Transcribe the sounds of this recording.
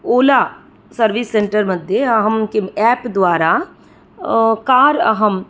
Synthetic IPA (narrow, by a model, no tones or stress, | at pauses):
oːla | səɾʋɪsːẽːɳʈəɾməd̪ʱjeɐɦəmnkeɛːpd̪ʊaːɾa | kaːɾə̰ɦəm